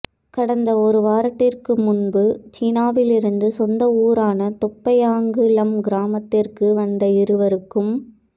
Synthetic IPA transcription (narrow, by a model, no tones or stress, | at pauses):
kɐɽɐnd̪ɐɔɾɯʋaːɾɐt̪ːɪrkɯmʊɳbɯt͡ʃiːnaːʋɪlɪɾɯnd̪ɯsɔnd̪ɐuːɾaːnɐt̪ɔpːɐjaːŋɡɯlɐmɡɪɾaːmɐt̪ːɪrkɯʋɐnd̪ɐɪɾɯʋɐɾɯkːɯm